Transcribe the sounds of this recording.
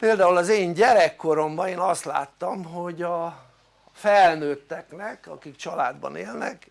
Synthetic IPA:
peːld̪aːulɒzeːɲɟɛɾɛkːo̞ɾo̞mbɒeːnɒst̪la̰ːt̪ːɒmɦo̞ɟɒ | fɛlnøːt̪ːɛknɛkɒ̰kikt͡ʃɒlaːd̪bɒ̰neːlnɛ̰k

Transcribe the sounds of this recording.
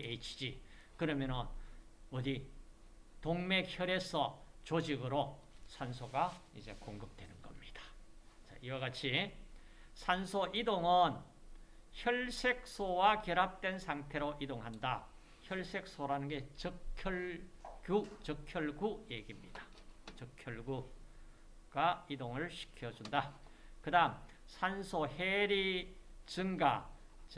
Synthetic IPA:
et͡ɕʰid͡ʑi | kɯɾʌmjʌnʌn | ʌdi | toŋmekçjʌɾe̞sʰʌt͡ɕod͡ʑiɡɯɾosʰansʰoɡaid͡ʑe̞̰koŋɡɯp̚twe̞nɯnɡʌmɲid̥ḁ | t͡ɕa̰iwaɡat͡ɕʰi | sʰansʰoʔidoŋʌn | çjʌɭsʰe̞k̚sʰowakeɾap̚t͈we̞nsʰaŋtʰe̞ɾoʔidoŋɦanda | çjʌɭsʰe̞k̚s͈ʰoɾanɯnɡe̞t͡ɕʌkʰjʌɭkjut͡ɕʌkʰjʌɭɡujeɡimɲid̥ḁt͡ɕʌkʰjʌɭɡu | ɡaidoŋɯɭɕʰi̥kʰjʌd͡ʑundakɯdaɦm | sʰansʰoheɾit͡ɕɯŋɡa

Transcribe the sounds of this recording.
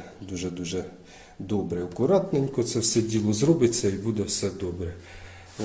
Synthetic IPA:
d̪uʒɛd̪uʒɛ | d̪ɔbɾɛɐkʊɾɑt̪nenʲkɔt̪sɛwsɛdʲilˠɔzɾɔbɪt͡sʲːɐibud̪ɛwsɛd̪ɔbɾɛ

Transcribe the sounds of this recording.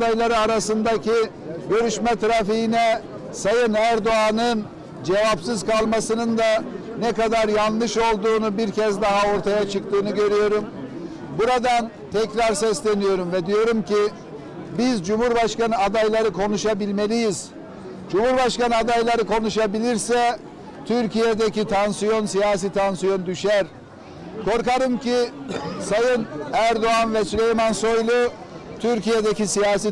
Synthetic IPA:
ajlˠaɾɯaɾasɯnd̪acʰi | ɟø̞ɾyʃmɛt̪ʰɾafiɦinɛ | sajɯnæɾd̪oanɯn | d͡ʒe̞vapsɯzkʰalˠmasɯnɯnd̪a | nɛkad̪aɾjanˠlːɯʃo̞lˠd̪uːnubiɾcʰɛzd̪aɦao̞ɾt̪ʰajat͡ʃʰɯkt̪ʰɯːnɯɟø̞ɾyjo̞ɾum | buɾad̪an | t̪ʰɛcɾaɾsɛslʲe̞nijo̞ɾumvɛd̪ijo̞ɾumci | bizd͡ʒumhuɾbaʃkanɯad̪ajlˠaɾɯkʰo̞nuʃabilʲme̞lʲijiz̥ | d͡ʒumhuɾbaʃkanɯad̪ajlˠaɾɯkʰo̞nuʃabilʲiɾsɛ | t̪ʰyɾcijed̪ecit̪ʰansijo̞nsijaːs̬it̪ʰansijo̞nd̪yʃæɾ | kʰo̞ɾkaɾɯmcisajɯnæɾd̪o̞ɦanvɛslʲejmanso̞jlˠu | t̪ʰyɾcijed̪ecisijaːs̬i

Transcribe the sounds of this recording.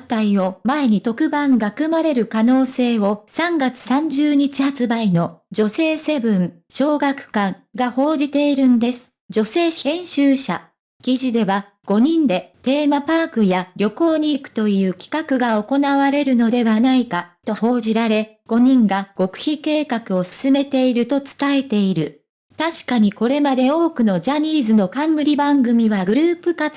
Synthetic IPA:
t̪aio̞mae̞ɲ̟it̪o̞kɯ̟bãŋɡakɯ̟maɾe̞ɾɯ̟kano̞ːse̞ːo̞sãŋɡat͡sɨ̥sãɲ̟d͡ʑɨːɲ̟it͡ɕihat͡sɨbaino̞d͡ʑo̞se̞ːse̞bɯ̟̃ŋ | ɕo̞ːɡakɯ̟̥kãŋɡaho̞ːʑit̪e̞iɾɯ̟nd̪e̞sɨ̥ | d͡ʑo̞se̞ːẽ̞ɰ̃ɕɨːɕa̰ | kʲiʑid̪e̞βa | ɡ̥o̞ɲ̟ĩnd̪e̞t̪e̞ːmapaːkɯ̟jaɾʲo̞ko̞ːɲ̟iːkɯ̟̥t̪o̞jɯ̟ːkʲi̥kakɯ̟ɡao̞ko̞naβaɾe̞ɾɯ̟no̞d̪e̞βanaikat̪o̞ho̞ːʑiɾaɾe̞ | ɡ̥o̞ɲ̟ĩŋɡaɡ̥o̞kɯ̟̥çike̞ːkakɯ̟o̞sɨ̥sɨme̞t̪e̞iɾɯ̟t̪o̞t͡sɨ̥t̪ae̞t̪e̞iɾɯ̟ | t̪aɕi̥kaɲ̟iko̞ɾe̞mad̪e̞o̞ːkɯ̟no̞d͡ʑaɲ̟ʲiːzɨno̞kãmːɯ̟ɾʲibãŋɡɯ̟mʲiβaɡɯ̟ɾɯ̟ːpɯ̟kat͡s

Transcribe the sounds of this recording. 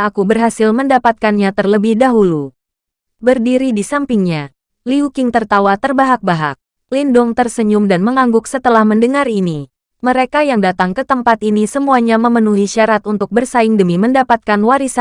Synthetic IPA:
akubərɦasɪlməndapat̪̚kanɲat̪ərləbɪhdaɦulu | bərdiɾidisampɪŋɲa | liukɪŋt̪ərt̪awat̪ərbaɦak̚baɦa̰k̚ | lindʊŋt̪ərsəɲumdanməŋaŋɡʊksət̪əlahməndəŋarini | məɾekajaŋdat̪aŋkət̪əmpat̪inisəmuaɲaməmənuɦiʃaɾat̪unt̪ʊk̚bərsaɪŋdəmiməndapat̪̚kanwaɾisa

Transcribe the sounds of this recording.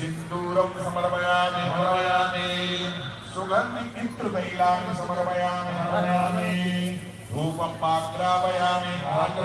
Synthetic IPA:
ind̪uːɾɐwsɐmɐɾɐbɐjaːmiɦɐmɐɾɐɐjaːmi | suɡʱɐndiit̪ɾud̪ɐjlaːmɐsɐmɐɾɐmɐjaːminɐɾɐnaːmi | bʱuːpɐmːaːt̪ɾaːbɐjaːmiɦaː

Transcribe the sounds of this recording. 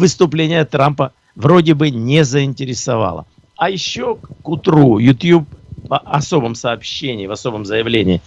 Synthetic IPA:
vɨst̪ʊplʲenʲɪjət̪ɾampə | vro̞dʲɪbɨnʲezəɪnʲtʲɪɾʲɪsɐva̰lˠə̰ | ɐjɪɕːokʊt̪ɾujʊt̪ʲjup̚ɐso̞bəmsɐːpɕːenʲɪːvɐso̞bəmzəjɪvlʲenʲɪ̰ː

